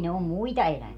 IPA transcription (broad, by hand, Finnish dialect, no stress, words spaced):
ne om muitɑ elæʋie